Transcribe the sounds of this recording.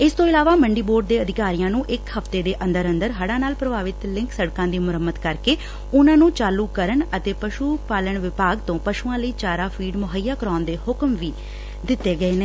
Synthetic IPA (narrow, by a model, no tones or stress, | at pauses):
ɪst̪õːɪlaːʋaːməɳɖiːboːɾɖ̚d̪eːəd̪ɪkaːɾijãːnũːʔɪkhəft̪eːd̪eːʔə̃nd̪əɾə̃nd̪əɾɦəɽãːnaːlpɾəbaːʋɪt̪lɪ̃ŋksəɽkãːd̪iːmʊɾəmːət̪kəɾkeː | ʊnãːnũːt͡ʃaːluːkəɾəɳət̪eːpəʃuːpaːləɳʋɪpaːɡt̪õːpəʃuːãːləiːt͡ʃaːɾaːpʰiːɖmʊɦəjːaːkɾaːnd̪eːhʊkmʋiː | d̪ɪt̪ːeːɡəeːneː